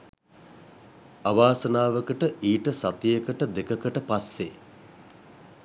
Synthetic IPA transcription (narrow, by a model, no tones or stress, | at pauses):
aʋaːsənaːʋəkəʈəʔiːʈəsat̪ijəkəʈəd̪ekəkəʈəpasːḛ